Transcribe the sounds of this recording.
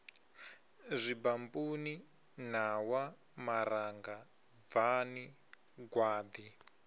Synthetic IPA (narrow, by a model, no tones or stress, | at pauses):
zʷibambuni | n̤awa | maɾaŋɡa | vani | ɡwaːd̪i